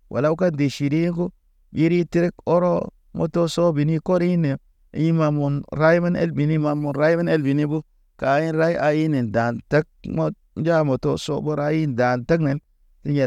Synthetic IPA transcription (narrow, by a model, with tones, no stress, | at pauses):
wʔa̰˨la˦u˦ka˦ndi˨ʃi˨ɾi˦ku˦ | bi˦ɾi˦ti˦ɾi˦ko˦ɾo˦ | mʔo̰˨to˦so˦bi˨ni˦ko˦ɾi˦nḛ˨ | ji˦ma˨mu˨nɾa˦jma˦nḛ˦lbi˨ni˦ma˨mːu˨nɾa˦jba˦ne˦lbi˨ni˦bu˦ | ka˨˦ji˦nɾa˦ji˦ʔa˨ji˦ne˨n˨da˨nta˦k̚mo˦ | n˦d͡ʒa˦mo˨to̰˦so̰˦bo˦ɾa˦ji˦n˨da˨nta˦kne˨n | ki˦ɲe˨